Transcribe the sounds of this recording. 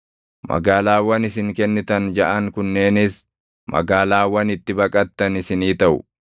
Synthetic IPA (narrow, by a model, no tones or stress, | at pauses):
mɐ̰ɡaːlaːwɐnɪs̬ɪŋkɛnːɪt̪ɐnd͡ʒɐʔɐŋkʊnːe̞ːnɪs | mɐ̰ɡaːlaːwɐnɪt̪ːɪbɐkʼɐt̪ːɐnɪsɪniːt̪ɐʔʊ̰